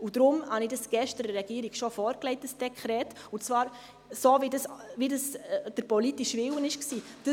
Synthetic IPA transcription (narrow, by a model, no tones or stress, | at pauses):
ud̥ɾʊmhɑnidəsɡ̥ɛʃtəɾəɾɛɡ̥iːɾiɡʃofɔːɾklɛɪt̚dəsd̥ɛkʰχɾɛːtʊnt͡svɑːɾ | sovidəsvidəsd̥əɾpɔliːtɪʃvɪwənɪʃksiːd̥ə